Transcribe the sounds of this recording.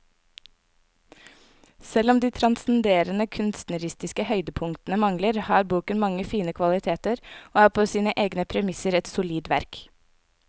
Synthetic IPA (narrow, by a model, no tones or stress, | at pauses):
sɛlɔmd̪iːt̪ʰɾɑnsn̩d̪eːɾənəkʰʉnst̪nəɾɪst̪ɪskəhœʏd̪əpʰʊŋt̪nəmɑŋləɾhɑːɾbuːkənmɑŋəfiːnəkʰʋɑlɪt̪ʰeːt̪əɾʔoːæːɾpʰoːsiːnəʔeːɡnəpʰɾɛmɪsəɾɛt̪sʊliːd̪ʋæ̰ɾk